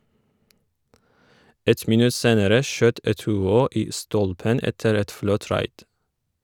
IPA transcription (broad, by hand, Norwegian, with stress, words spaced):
ˈɛt mɪˈnʉ ˈseːnəɾə ˈʃøːt ɛtʉːˈoː ˈiː ˈstɔlpən ˈɛtəɾ ˈɛt ˈflɔt ˈɾɑɪd